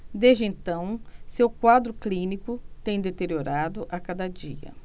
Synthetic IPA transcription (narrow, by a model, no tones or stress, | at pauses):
d̪ezd͡ʒɪẽnt̪ɐ̃w̃sewkwad̪ɾʊklĩnikʊt̪ẽj̃d̪et̪eɾioɾad̪ʊʔakad̪ɐd͡ʒiɐ̰